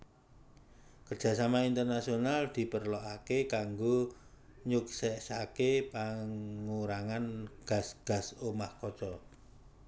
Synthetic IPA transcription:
kərdd͡ʒ̥ä̤samaint̪ərnasionald̪̥i̤pərlɔʔakekaŋɡo | ɲuksɛʔsakepaŋuɾaŋanɡ̥a̤sɡ̥ä̤somahkɔt͡ʃɔ

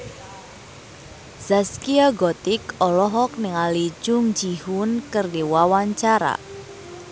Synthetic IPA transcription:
z̥askiaɡɔt̪ɪkɔlɔɦɔk̚nɪŋali̥d͡ʒʊŋd͡ʒihʊnkərdiwawaɲt͡ʃaɾa̰

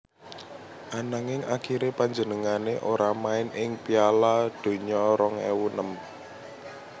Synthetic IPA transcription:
ʔanaŋɪŋʔakiɾepaɲd͡ʒənəŋaneʔoɾamaɪnɪŋpialad̪̥o̤ɲɔɾɔŋḛwunəm

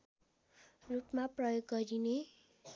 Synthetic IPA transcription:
rupmaprʌjoɡːʌɾine

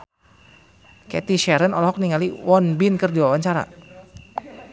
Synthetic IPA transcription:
kɛ̰t̪iʃɛɾənɔlɔɦɔk̚niŋaliwɔnbinkərdiwawaɲt͡ʃaɾa̰

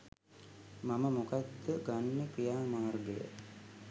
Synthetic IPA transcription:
maməmukad̪ːəɡanːəkɾijaːmaːrɡəjə̰

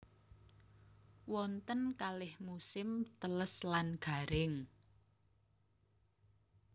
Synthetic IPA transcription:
wɔnt̪ənkalɪhmusɪmt̪ələslanɡ̥a̤ɾɪŋ

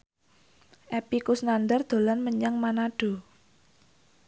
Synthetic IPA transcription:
ʔɛpikusnand̪ərd̪̥o̤lanməɲaŋmanaɖ̥o̤

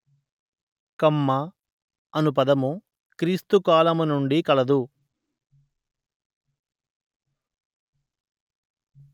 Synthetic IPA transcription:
kɐmːɐ | ɐnupɐd̪ɐmu | kɾiːst̪ukaːlɐmunuɳɖikɐlɐd̪u

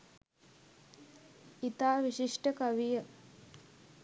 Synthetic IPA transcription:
it̪aːʋiɕiʂʈəkaʋijə

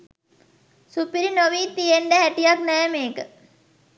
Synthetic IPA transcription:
supiɾinoʋiːt̪ijeɳɖəɦæʈijaknɛjəmeːkə

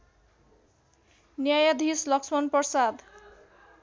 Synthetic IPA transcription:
njajʌd̪ʱislʌksmʌnpʌsad̪

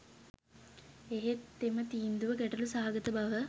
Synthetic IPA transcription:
eɦet̪ːemɐt̪iːnd̪uʋɐkɛʈɐlusaːaɡɐt̪ɐbɐʋə

